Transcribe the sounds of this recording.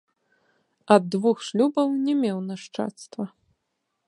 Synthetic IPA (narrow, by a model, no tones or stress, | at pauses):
ɐd̪ːvuxʂlʲubɐwnʲɛmʲɛwnaʂt͡ʂa̰t̪st̪vɐ